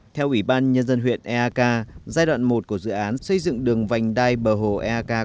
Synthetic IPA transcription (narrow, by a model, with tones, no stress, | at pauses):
t̪ʰɛ˧wʔi˧˩ɓaː˧nɲə˧nzə˧nɦwḭ˧˨ənʔɛ˧aː˧kaː˧zaː˧jɗwa̰ː˧˨nmo˨˩t̚ku˧˩əzɨ̰˧˨ʔaː˨˦nsə˧jzɨ̰˧˨ŋɗɨ˨˩əŋva˨˩jŋ̟ɗaː˧jɓəː˨˩ɦo˧˨˩ʔɛ˧ʔaː˧kaː˧